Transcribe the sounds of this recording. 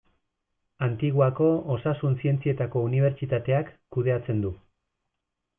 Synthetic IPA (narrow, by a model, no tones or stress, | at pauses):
ant̪iɣuako̞osasunsie̞nt͡sie̞t̪ako̞uniβ̞e̞ɾt͡ʃit̪at̪e̞akːuð̞e̞at͡se̞nd̪u